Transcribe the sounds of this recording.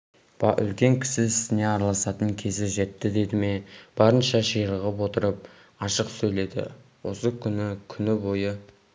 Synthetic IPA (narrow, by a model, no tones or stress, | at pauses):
b̥ɑʔʏ̰lkʲe̞ŋkʲʰɪ̥sɪɪsɪne̞ɑɾɑlˠɑsɑt̪əŋkʲʰe̞zɪʒe̞t̪ːɪd̪e̞d̪ɪme̞b̥ɑɾənʃɑʒijɾəʁəp̬wo̞t̪əɾəp̚ | ɑʃəqsɵjle̞d̪ɪ̰wo̞səkʲʰʏnɪkʲʰʏnɪbo̞jə